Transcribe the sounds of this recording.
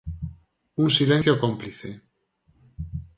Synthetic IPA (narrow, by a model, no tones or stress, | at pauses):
unsilen̟θjokompliθe